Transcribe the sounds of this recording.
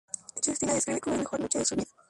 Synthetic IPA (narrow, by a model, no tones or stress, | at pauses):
t͡ʃist̪inaðeskɾiβekomoemexo̞ɾnot͡ʃeðesuβiða